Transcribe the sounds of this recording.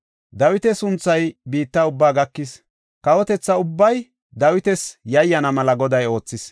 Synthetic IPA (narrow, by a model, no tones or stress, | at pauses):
d̪ɐwɪt̪ɛsʊnt͡sːɐjbiːt̪ːɐʊbːaːɡɐkːɪs | kɐwɔt̪ɛt͡sːɐʊbːɐj | d̪ɐwɪt̪ɛsjɐjːɐnɐmɐlɐɡɔd̪ɐjo̞ːt͡sːɪs